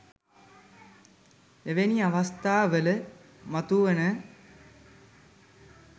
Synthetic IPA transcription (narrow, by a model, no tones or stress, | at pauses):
eʋeniaʋast̪aːʋələ | mat̪uʋənə